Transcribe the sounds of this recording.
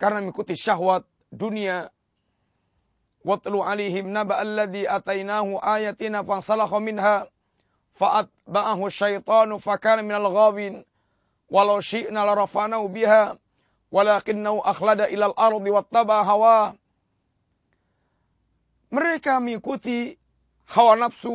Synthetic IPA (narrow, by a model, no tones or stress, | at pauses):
kaɾənaməŋikut̪iʃaɦwat̪̚ | dunia | wɑt̪ˤluʕalajɦɪmnabaʔalːaðiʔat̪ajnaːɦuʔajat̪inafaŋsalɑxɑmɪnɦa | faʔat̪̚baʔaɦuʃːajt̪ˤɑːnfakaːnamɪnalɣaːwiːn | walawʃɪʔnalɾˤɑfaʔnahubɪɦaː | walaːkɪnːahuʔaxladaʔɪlalʔɑɾˤd̪ˤɨwat̪ːabaʕɦawaːh | məɾekaməŋikut̪i | hawanafsu